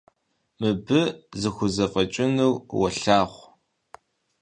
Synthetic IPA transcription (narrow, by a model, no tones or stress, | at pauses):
mɨbɨzɨxʷʊzɐqʼɐt͡ʃʼɪnɨwwɐɬaːχʷ